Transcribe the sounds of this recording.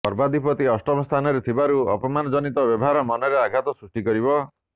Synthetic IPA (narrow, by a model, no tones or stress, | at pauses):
pɔɾbad̪ipɔt̪iɔsʈɔmɔst̪ʰanɔɾet̪ʰibaɾuɔ̰pɔmanɔd͡ʒɔnit̪ɔbjɔbɔɦaɾɔmɔnɔɾeaɡʱat̪ɔsɾusʈikɔɾibɔ